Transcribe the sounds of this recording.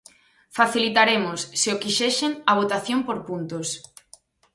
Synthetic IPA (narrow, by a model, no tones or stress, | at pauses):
faθilit̪aɾemosːɪokiʃeʃeŋɐβ̞ot̪aθjompoɾpunt̪os